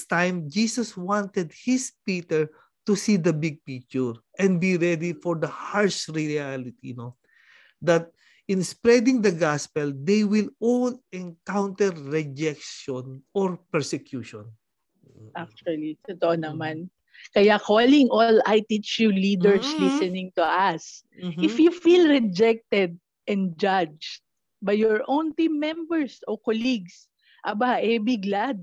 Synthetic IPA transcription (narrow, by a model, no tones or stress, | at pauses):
st̪ãjmd͡ʒiːsɐswãnt̪ɛd̪̚hɪspit̪ɛɹ | t̪usid̪ɐbɪɡ̚pik̚t͡ʃuɹʔɛ̃nd̪̚biɹɛd̪ifɔɹd̪ɐhaɹʃɹɪalɪt̪ḭno | d̪ɐt̪̚ | ʔɪ̃nspɾɛd̪ɪ̃ŋd̪ɐɡaspɛld̪ejwɪlolɛ̃nkawnt̪ɛɹːɛd͡ʒɛk̚ʃɔnɔɹpɛɹsɛkjuʃɔ̃n | ʔak̚t͡ʃɐlit̪ot̪oʔonɐman | kɐjakʰolɪŋʔolajt̪it͡ʃjulid̪ɛɹslisɛnɪ̃ŋt̪uʔas | ɪfjufilɹɛd͡ʒɛk̚t̪ɛd̪̚ | ʔɛ̃nd͡ʒad͡ʒt̪̚ | bɐjːɔɹʔõwnt̪ĩmːɛmbɛɹsokoliɡs | ʔɐbaʔɛbɪɡlad̪̚